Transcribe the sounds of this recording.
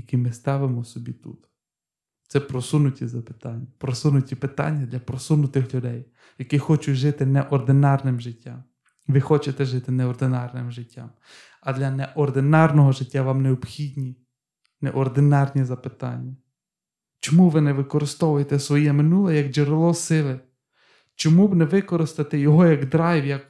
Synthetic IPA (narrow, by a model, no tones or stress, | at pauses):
jɐkʲimɪst̪ɑʋɪmɔsɔbʲit̪ṵt̪ | t̪sɛpɾɔsunʊtʲizɐpɪ̥t̪ɑnʲːɐpɾɔsunʊtʲipɪt̪ɑ̰nʲːɐd̪lʲɐpɾɔsunʊt̪ɪxlʲʊd̪ɛj | jɐkixɔt͡ʃʊʒɪt̪ɪnɛʔɔrd̪ɪnɑrnɪmʒɪtʲːam | ʋɪxɔt͡ʃet̪ɛʒɪt̪ɪnɛɔrd̪ɪnɑrnɪmʒɪtʲːa̰m | ɐd̪lʲɐnɛʔɔrd̪ɪnɑrnɔɦɔʒɪtʲːaʋɑmneɔpxʲidʲnʲi | nɛ̰ʔɔrd̪ɪnɑrnʲizɐpɪt̪ɑ̰nʲːɐ | t͡ʃɔmuʋɪnɛʋɪkɔɾɪst̪ɔʋʊjet̪ɛsʋɔjɛmɪnulˠɛjɐɡʒɪɾɪlˠɔsɪlˠɪ | t͡ʃɔmubnɛʋɪkɔɾɪst̪ɐt̪ɛjɔɦɔjɐɡd̪ɾɑjwjɐk̚